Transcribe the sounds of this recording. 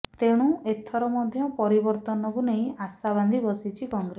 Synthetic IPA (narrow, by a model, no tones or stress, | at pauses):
t̪eɽ̃ũʔet̪ʰɔɾɔmɔd̪ʱjɔpɔɾibɔɾt̪ɔnɔkunej̃asaβand̪ʱibɔsit͡ʃʰikɔŋɡɾe